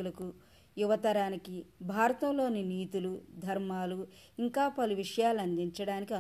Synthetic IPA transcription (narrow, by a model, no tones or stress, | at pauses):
ulɐku | juʋɐt̪ɐɾaːnikibʱaːɾɐt̪ɐmlo̞ːniniːt̪ulud̪ʱɐɾmaːlu | iŋkaːpɐluʋiʂɐjaːlɐnd̪iɲt͡ʃɐɽaːnikiɐ